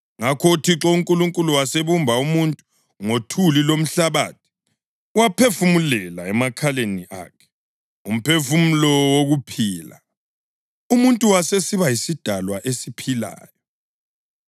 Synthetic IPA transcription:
ŋakʰotʰiǁɔuŋkʼuluŋkʼuluwaseβumbʱaumuntʼu | ŋotʰulilom̩ɬaβa̰ːtʰi̥ | wapʰefumulɛlaɛmakʰaleniʔa̰ːkʰɛ̥ | um̩pʰefumulɔwoɣupʰiːla̰ | umuntʼuwasesiβajisid̥ʱalwaʔesipʰila̰ːjɔ

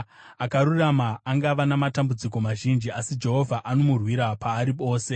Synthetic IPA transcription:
akaɾuramaːŋɡaʋanamatambud͡zik̬o̞maʒind͡ʒiasid͡ʒe̞ɦo̞vʱaʔanomurwiɾapaːɾipo̞ːse̞

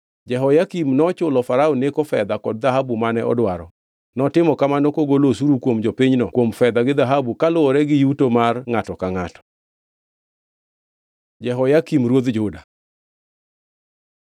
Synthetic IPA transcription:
d͡ʒɛɦɔjakimnɔt͡ʃʊlɔfaɾaonekofɛd̪akɔd̚ðaɦabumanɛʔɔ̰dwaɾɔ | nɔtɪmɔkamanɔkoɡolos̬uɾukwomd͡ʒopiɲnɔkwomfɛd̪aɡɪd̪aɦabukalʊɔɾɛɡɪjutomarŋatɔkaŋatɔ̥ | d͡ʒɛɦɔjakimɾwod̪d͡ʒʊda

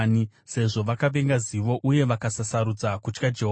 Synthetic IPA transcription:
ni | se̞ʐo̞ʋakaʋe̞ŋɡaziʋo̞ʔuje̞ʋakasasaɾud͡zakut͡ʃkad͡ʒe̞ɦ

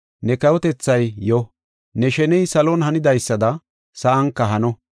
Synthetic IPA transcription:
nɛkɐwɔt̪ɛt͡sːɐjjɔ | nɛʃɛnɛjsɐlɔnɦɐnɪd̪ɐjsːɐd̪ɐ | sɐʔɐŋkːɐɦɐnɔ

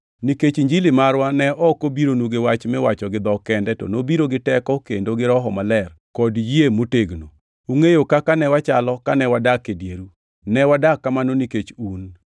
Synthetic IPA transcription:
niket͡ʃiɲd͡ʒilimaɾwanɛʔɔkobiɾonwuɡewat͡ʃmɛwat͡ʃɔɡɪd̪ɔkɛndɛto̰nobiɾoɡɪtɛkɔkendoɡɪɾɔɦɔmalɛrkɔdjemoteɡno | uŋejokakanɛwat͡ʃalɔkanɛwadakːedjeɾu | nɛwadakːamanoniket͡ʃun

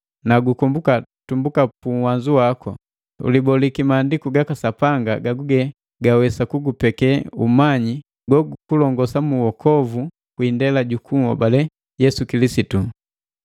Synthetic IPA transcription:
naɡukɔmbukatumbukapuŋwaɲd͡ʒuwakʰɔ̰ | ṵlibɔlikimaːndikuɡakasapaŋɡa̰ɡaɡuɡɛ | ɡawɛsakuɡupɛkɛumaɲi | ɡwɔɡkulɔŋɡɔsamuwɔkʰɔvu | kwindɛlaɟukuŋɔ̰balɛ | jɛsukilisitu

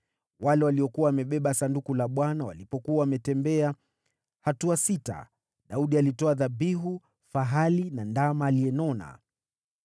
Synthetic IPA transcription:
walɛwaliɔkuwawamɛɓɛɓasandukulaɓwanawa̰lipɔkuawamɛtɛmbɛa | hatuasita̰ | ɗauɗialitɔaðaɓiɦu | faɦalinandamaːlijɛnɔna̰

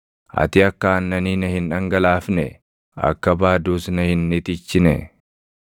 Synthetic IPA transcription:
ʔɐ̰t̪ɪɐkːaːnːɐniːnɐhɪnᶑɐŋɡɐlaːfnɛ̰ | ɐ̰kːɐbaːd̪uːsnɐhɪnːɪt̪ɪt͡ʃːɪnɛ̰

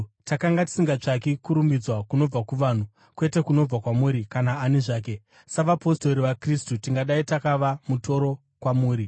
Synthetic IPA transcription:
takaŋɡati̥siŋɡat͡ʂak̬ikuɾumbid͡zwakuno̞b͡vakuʋan̤u | kwe̞te̞kuno̞b͡vakwamuːɾikanaːniʐaːk̬e̞ | saʋapo̞sto̞ɾiʋakristutiŋɡaɗaitakaʋamuto̞ɾo̞ | kwamuːɾi

